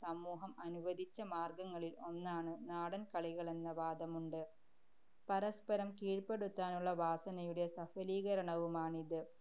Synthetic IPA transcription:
sɐmuːɦɐmɐnuʋɐd̪ʱit͡ɕːɐmaːrɡɐŋːɐɭilo̞nːaːɳɨnaːɽɐnkɐɭiɣɐɭe̞nːɐʋaːd̪ɐmuɳɖɨ | pɐɾɐspɐɾɐmkiːɻpe̞ɽut̪ːaːnuɭːɐʋaːsɐnɐjuɽe̞sɐfɐliːɣɐɾɐɳɐʋumaːɳiðɨ

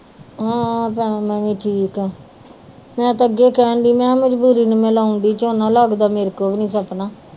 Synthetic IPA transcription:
ɦãːpɛːnamɛ̃ːʋĩːʈʰiːkɛː | mɛ̃ːt̪aəɡeːkɛːnd̪iːmɛ̃ːməd͡ʒbuːɾiːnə̃melaːʊ̃nd̪iːt͡ʃoːnaːlaːɡd̪aːmeːɾkoːbnĩːsəpnaː

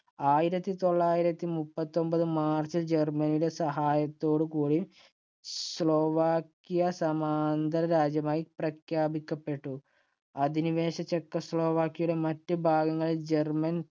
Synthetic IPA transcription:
aːjiɾɐt̪ːit̪o̞ɭːaːjiɾɐt̪ːimupːɐt̪ːo̞mbɐðɨmaːrt͡ɕɨd͡ʑe̞rmɐniɽe̞sɐɦaːjɐt̪ːo̞ːɽɨkuːɽi | sɭoːʋaːkːijɐsɐmaːnd̪ɐɾɐɾaːd͡ʑjɐmaːjiprɐkjaːbikʲːɐpːe̞ʈːu | ɐd̪iniʋe̞ːɕɐt͡ɕːekːɐslo̞ːʋaːkːijɐjuɽe̞mɐtːɨbʱaːɡɐŋːɐɭild͡ʑe̞rmɐn

